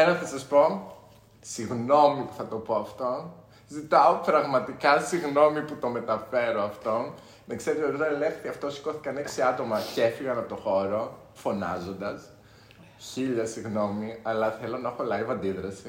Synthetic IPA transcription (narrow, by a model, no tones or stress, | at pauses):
enɐθɐsɐspo̞ | siɣno̞mipu̥θɐt̪o̞po̞ɐft̪o̞ | zit̪ɐopɾɐɣmɐt̪ikɐsiɣno̞miput̪o̞me̞t̪ɐfe̞ɾoɐft̪o̞ | ðekse̞ɾet̪et̪ot̪ɐelefθθiɐft̪osi̥ko̞θi̥kɐneksiɐt̪o̞mɐcefiɣɐnɐp̚t̪o̞xo̞ɾo̞ | fo̞nɐ̰zo̞nd̪ɐs | çiʎɐsiɣno̞miɐlɐθe̞lo̞nɐexo̞lɐivɐnd̪iðɾɐsi